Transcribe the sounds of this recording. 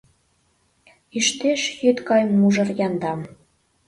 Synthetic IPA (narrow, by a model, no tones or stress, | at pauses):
iʃt̪eʃjyt̪kɑjmuʒɤ̆rjɑnd̪ɑm